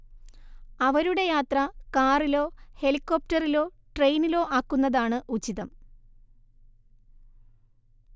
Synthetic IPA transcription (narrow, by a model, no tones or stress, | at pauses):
ɐʋɐɾuɽe̞jaːt̪rɐkaːrilo̞ːhe̞likːo̞ːp̚tɐrilo̞ː | ʈrejnilo̞ːʔaːkːunːɐðaːɳɨʔut͡ɕːiðɐm